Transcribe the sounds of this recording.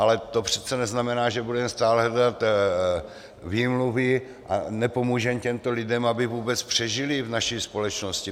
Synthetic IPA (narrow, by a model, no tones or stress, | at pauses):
ʔalɛt̪opr̝̥ɛt͡sɛnɛznamɛnaːʒɛbudɛmst̪aːlɦɛdat̪ | viːmluvɪ | ʔa̰nɛpo̞muːʒɛmcɛmt̪olɪdɛmabɪvuːbɛt͡spr̝̥ɛʒɪlɪvnaʃispo̞lɛt͡ʃnoscɪ